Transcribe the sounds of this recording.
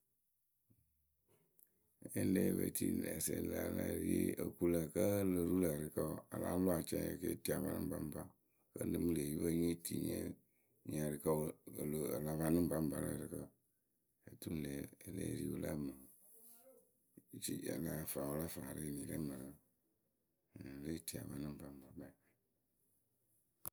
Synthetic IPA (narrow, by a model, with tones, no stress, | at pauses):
e˦leː˦βə̰˨ti˦lɛ˨se˨la˨la˦˨ɾi˦e˦ə˨ku˦la˨kə˦lə˨ɾu˦lə˨ɾɨ˨kə˦˨a˨la̰˦lo˦a˨t͡ʃɛ˦e˨ke˦ti˦a˨va˨˦nɨ̃˦m˦ba˨˦m˦ba˦ | kə˦lɨ˦mɨ˦le˨ji˦βə˦ɲe˦ti˨ɲɛ˦ | ɲa˨ɾɨ˨kə˦ə˨lo˨ə˨la˨ba˨nɨ̃˦ba˦m˨ba˨la̰˦˨ɾɨ˨kə˦˨ | e˨tu˦˨lɛː˨e˨lɛ̰˦˨˦ɾḭ˦wu˧la˦˨mə˨ | t͡ʃi˦a˨la˨faː˨wo˨˧la˦faː˨ɾe˦˨nĩ˨lɛ˦mə˨ɾə˨ | ɾe˦˨ti˨a˨βa˨nɨ̃˦m˨ba˨m˦ba˨ba˦˨